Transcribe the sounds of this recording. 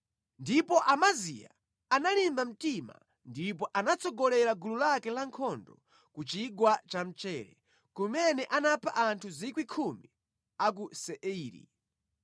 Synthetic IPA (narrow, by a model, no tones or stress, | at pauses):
ndipɔʔamazḭja̰ | analimbam̩tima̰ | ndip̬ɔʔanat͡sɔɡɔlɛɾaɡululakɛlaŋkʰɔndɔ | kut͡ʃiɡwat͡ʃam̩t͡ʃɛɾɛ̰ | kumɛnɛʔanapʰaʔantʰuzikwikʰumi | ak̬usɛʔiːɾḭ